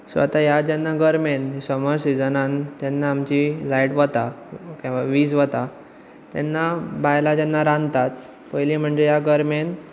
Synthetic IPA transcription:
sʋə̰t̪ajad͡ʑɛnːaɡəɾmenɦisəmɔɾsid͡zənant̪jɛnːaːmt͡ɕilajʈʋət̪akĩʋaʋiːsʋət̪a | t̪jɛ̰nːabajlad͡ʑɛnːaɾãnd̪t̪at̪̚ | pəjlim̤əɳd͡ʑejaɡəɾmen

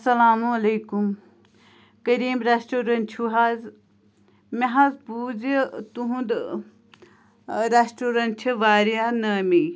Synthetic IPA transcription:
sɐlaːmuɐleːkum | kɐɾiːmɾesʈoːɾɐnt͡ʃʰuɦaz | meɦɐzbuːzit̪uɦũnd̪ | ɾesʈoːɾɐnt͡ʃʰɐʋaːɾijanɐːmi

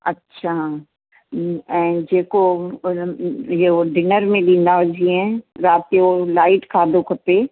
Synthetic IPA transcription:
ɐtːʃʰa | ɛ̃d͡ʒeːko | jeoɖɪnəɾmẽlĩːnd̪aɦod͡ʒiɛ̃ɾaːt̪eolaːɪʈkʰaːd̪okɐpeː

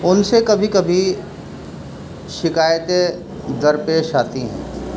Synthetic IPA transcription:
ʊnsekɐbʱikɐbʱi | ʃɪkaːjət̪e | d̪ɐɾpeːʃaːt̪iɦɛ̰̃ː

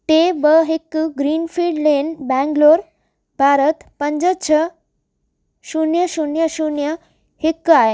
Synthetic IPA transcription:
ʈ̪ebəɦekːuɡɾiːnfiɖlenbæ̃ŋɡloɾ | bʱaɾət̪pəɲd͡zət͡ɕʰə | sunjəɕunjəɕunjə | hekːae

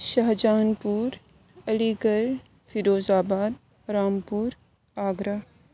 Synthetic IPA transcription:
ʃɐɦd͡ʒaːnpuːɾ | ɐliːɡəl | fʰiɾoːzaːbaːd̪ | ɾaːmpuːɾ | aːɡɾa

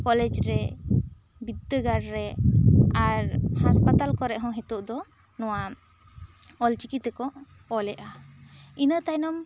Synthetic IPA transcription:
kɔlɛd͡ʒɾɛ | bid̪ːəɡaɾɾɛ | aɾhaspat̪alkɔɾɛʔɦɔ̃ɦɛt̪uʔd̪ɔ | nɔwa | ɔlt͡ʃikit̪ɛkɔʔː | lɛʔainət̪ajnɔm

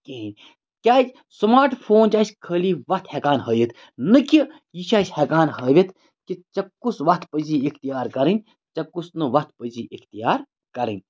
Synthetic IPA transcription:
keɦnʲ | kʲaːd͡ʒ | smaːɾʈpʰoːnt͡ʃaːsʲkʰəːliːʋɐht̪ʰhekaːnɦəːjʲit̪ʰ | nɨki | jiʃʰaːsʲhekaːnɦəːʋʲit̪ | kit͡ʃɐkːusʋɐt̪pəziikʰt̪ijaːɾkɐɾɨnʲ | t͡ʃɐkːusnɨʋɐt̪̚ʰpəziʔikʰt̪ijaːɾ | kɐɾɨ̰nʲ

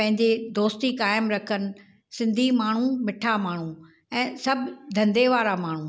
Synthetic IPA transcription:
pɐ̃ɦɪ̃ɲd͡ʑed̪oːst̪ikaːɪmɾɐkʰənɪ̆ | sɪ̃nd̪ʱimaːɳ̤ũmɪʈʰamaːɳ̤ũ | ɛ̃ːsɐbd̪ʱɐ̃nd̪eʋaːɾamaːɳ̤ũ

